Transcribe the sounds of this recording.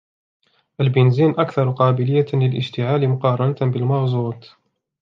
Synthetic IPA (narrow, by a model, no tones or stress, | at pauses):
ʔalbɪnziːnʔakθɑɾˤqɑːbɪlɪjːalɪlʔɪʃt̪ɪʕaːlimʊqɑːɾˤɑnat̪bɪlmɑɣzˤuːt̪ˤ